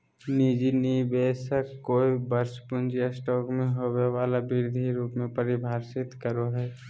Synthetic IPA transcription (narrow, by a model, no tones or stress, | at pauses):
nid͡ʒinibeːsəkkoːibəɾspʊnd͡ʒijasʈɔːkmẽɦobeʋaːlabɪɾd̪ʱiɾuːpmẽpəɾɪbʱaːɾsɪt̪kəɾoɦɛː